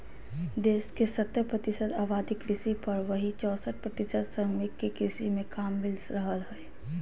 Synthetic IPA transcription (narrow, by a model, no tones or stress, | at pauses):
d̪eːskesət̪ːəɾpɾət̪ɪsəd̪aːbaːd̪ɪkɾɪsipɐɾʋəɦit͡ʃɔːsəʈ̪̚pɾɐt̪ɪsəd̪səmɪkːekɾɪsimẽkaːmːɪlɾəɦəlɦɛː